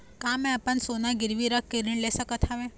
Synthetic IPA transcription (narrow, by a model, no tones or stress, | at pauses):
kãːmɛ̃ɐpənsoːnaɡɪɾʋiɾəkʰːeɾiɳlesəkət̪ʰaʋẽ